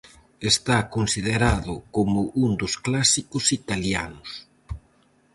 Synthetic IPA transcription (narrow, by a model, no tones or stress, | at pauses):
est̪akonsiðeɾaðʊkomʊʔund̪ʊsklasikʊsit̪alja̰nʊs